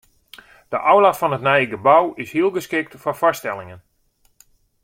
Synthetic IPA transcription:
d̥əʔawlatfɑnɦətnɛjɡəbawɪshiəlˠɡəskɪk̚tfɔfɔstɛlˠɪŋən

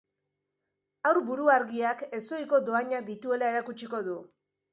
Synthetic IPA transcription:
awɾbuɾuaɾɣiake̞so̞jko̞d̪o̞aɲak̚d̪it̪ue̞lae̞ɾakut͡ʃiko̞ðu

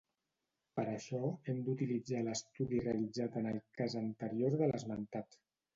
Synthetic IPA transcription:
pəɾəʃɔemd̪ut̪ilid͡zaləst̪uðireəlid͡zat̪ənəlˠkazənt̪əɾioɾðələzmənt̪at̪

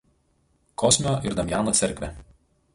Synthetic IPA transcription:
kɔsʲmʲoʔɪɾd̪ɐmʲjaːnoːt̪sʲɛɾʲkʲʋʲɛ

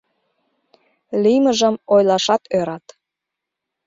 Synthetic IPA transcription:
liməʒəmojlɑʃɑt̪ʰøɾɑt̪

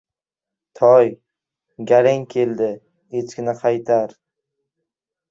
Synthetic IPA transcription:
t̪ʰɒj | ɡʲaɾɪŋkʲʰeld̪ɪ | et͡ʃkʲɪnɪqʰɑjt̪ʰaɾ

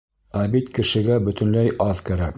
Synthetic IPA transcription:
æbit̪kɘ̆ʃɘ̆ɡæbɵ̆t̪ɘ̆nlæjʔɑðkæɾæk

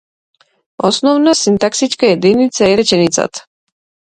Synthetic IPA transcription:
osnɔvnasint̪aksit͡ʃkajɛd̪init̪saɛɾɛt͡ʃɛnit̪sa̰t̪ʰ

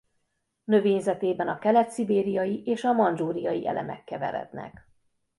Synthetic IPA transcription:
nø̞veːɲzɛt̪eːbɛnɒkɛlɛt̪sibeːɾijɒjiʔeːʃɒmɒnd͡ʒuːɾijɒjiʔɛ̰lʔɛmɛ̰kːɛvɛ̰ɾɛ̰d̪nɛ̰k

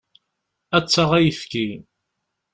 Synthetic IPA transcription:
æt͡sːɑʁæjəfkʲi

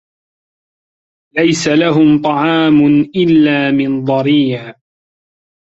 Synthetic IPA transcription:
lajsalaɦʊmt̪ˤɑʕɑːmʊnʔɪlːaːmɪnðˤɑɾiːʕ

